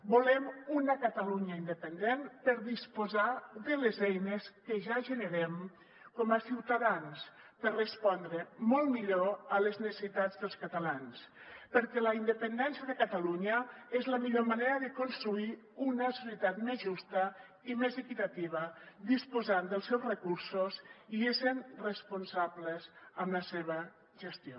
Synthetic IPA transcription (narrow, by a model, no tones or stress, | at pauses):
bolɛmunəkət̪aluɲaind̪əpənd̪enpəɾðispozaðəlezɛjneskəʒaʒənəɾɛm | kɔməsiwt̪aðans | pəɾrəspɔnd̪ɾəmɔlˠmiʎoələznesesit̪ad͡zðəlˠskat̪alans | pəɾkɛləind̪əpənd̪ɛnsjəðəkət̪aluɲəezləmiʎomaneɾəðəkonst̪ɾui | unəsosiət̪at̪mezʒust̪ə | imezəkit̪at̪iβ̞əd̪ispuzand̪əlˠsɛwzrəkuɾsuziesənrəspunsabləzəmləseβə | ʒəst̪io